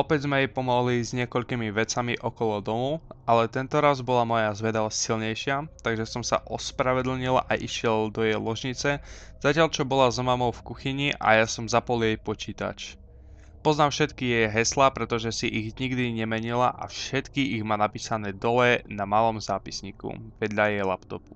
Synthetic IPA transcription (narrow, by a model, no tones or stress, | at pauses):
ɔpɛɟzmɛjɛpɔmɔɦlizɲɪɛkɔʎkimiʋɛt͡samiʔɔkɔlɔd̪ɔmualɛt̪ɛnt̪ɔɾazbɔlamɔjazʋɛd̪asilɲɛjʃɪat̪aɡʒɛsɔmsa̰ʔɔspɾaʋɛd̪l̩ɲila̰ʔiʃɪɛld̪ɔjɛjlɔʒɲit͡sɛz̥acɪaʎt͡ʃɔbɔlazɔmamɔʊfkuxiɲiʔa̰jasɔmzapɔljɛjpɔt͡ʃiːt̪a̰t͡ʃ | pɔznaːmfʃɛt̪kijɛjɦɛslapɾɛt̪ɔʒɛsiʔiɣɲiɡd̪iɲɛmɛɲilaʔa̰fʃɛt̪kiʔiɣmaːnapiːsanɛːd̪ɔlɛnamaːlɔmzaːpisɲiːkṵʋɛd̪ʎajɛjlapt̪ɔpu